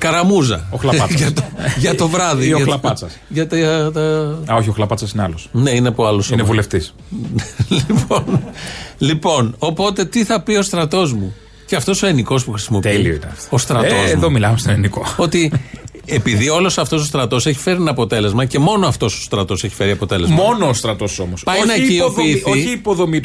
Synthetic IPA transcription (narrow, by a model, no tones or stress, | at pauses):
kɐɾɐmuzɐ̰oxlɐɐʝɐt̪oʝɐt̪o̞vɾɐðioɐlɐpɐt͡sɐsʝɐt̪it̪ɐɐoçioxlɐpɐt͡sɐsineɐlosne̞ineɐpoɐlosinevuleft̪is | liiponlipo̞no̞po̞t̪e̞t̪iθɐpio̞st̪ɾɐt̪o̞zmu | ceɐft̪o̞so̞eniko̞spuxɾisimo̞pelioit̪ɐ̰o̞st̪ɾɐt̪ozmuðomilɐmest̪onenikoo̞t̪i | e̞piðio̞lo̞sɐft̪o̞s̬ost̪ɾɐt̪o̞se̞çi̥fe̞ɾinɐpo̞t̪e̞le̞zmɐce̞mo̞noɐft̪o̞so̞̥st̪ɾɐt̪o̞se̞çi̥fe̞ɾiɐpo̞t̪e̞lzmo̞noːst̪ɾɐt̪o̞so̞mospɐjnɐcioiːθoiçiːpoðo̞mit̪